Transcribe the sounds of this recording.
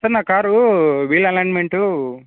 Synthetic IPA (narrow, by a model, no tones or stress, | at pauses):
sɐɾnakaːɾuʋilɐnajnmeɳʈu